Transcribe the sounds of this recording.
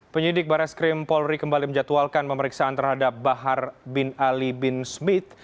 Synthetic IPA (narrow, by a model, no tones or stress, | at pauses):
pəɲidɪk̚baɾaskɾɪmpɔlɾikəmbaliməɲd͡ʒat̪ualkanpəməɾiksaant̪ərhadap̚baɦarbɪnalibɪnsmɪt̪̚